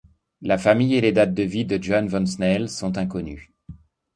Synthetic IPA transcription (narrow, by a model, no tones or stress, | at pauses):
lafamijeled̪at̪̚d̪əvid̪əd͡ʒɔnvɔnsnɛlsɔ̃t̪ɛ̃kɔny